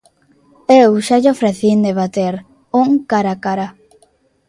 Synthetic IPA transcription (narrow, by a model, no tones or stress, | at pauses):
ewʃaʎofɾeθind̪eβat̪eɾ | uŋkaɾakaɾa